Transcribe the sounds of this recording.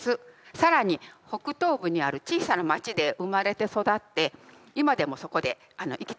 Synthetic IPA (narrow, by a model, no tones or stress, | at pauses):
sɨsaɾaɲ̟iho̞kɯ̟t̪o̞ːbɯ̟ɲ̟iaɾɯ̟t͡ɕiːsanamat͡ɕid̪e̞ʔɯmaɾe̞t̪e̞so̞d̪at̪ːe̞ | imad̪e̞mo̞so̞ko̞d̪e̞ | ano̞̰ʔikʲi̥